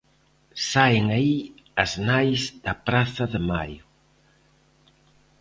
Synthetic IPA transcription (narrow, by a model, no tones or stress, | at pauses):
saeŋai | ɐznajzd̪ɐpɾaθɐðɪmajʊ